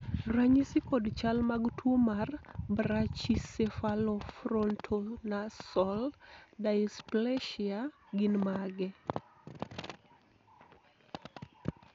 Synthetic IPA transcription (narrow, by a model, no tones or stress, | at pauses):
raɲisikɔdt͡ʃalmaɡtʰwomarbɾat͡ʃisefalɔfɾɔntʰonasɔldaɪsplɛʃiaɡɪnmaɡɛ